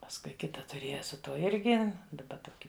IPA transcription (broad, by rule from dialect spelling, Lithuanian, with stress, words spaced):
pɐsˈkʊɪ ˈkʲɪtɐ tʊˈrʲeːjɛ sʊ ˈtuɔ ˈɪrʲɡʲɪ dɐˈbɐ ˈtoːkʲɪ